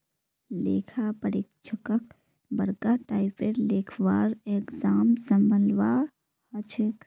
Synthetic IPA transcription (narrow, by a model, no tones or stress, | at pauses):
lḛːkʰapəɾeːk̚t͡ʃʰəkək̚ | bəɾkaʈaːɪpeɾleːkʰwaːɾeːkzaːmsə̃mbʱəlʋaː | hɐt͡ʃʰɪk